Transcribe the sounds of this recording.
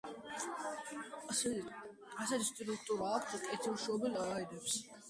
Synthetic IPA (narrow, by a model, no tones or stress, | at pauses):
asɛt̪ʰist̪ʼɾuk̚ʰt̪ʼuɾaːk̚ʰt̪ʰukʼɛt̪ʰilʃɔbilaajd̪ɛps